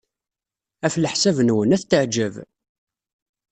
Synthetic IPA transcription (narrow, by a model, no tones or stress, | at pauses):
æfləħsævnwənæθt̪əʕd͡ʒəv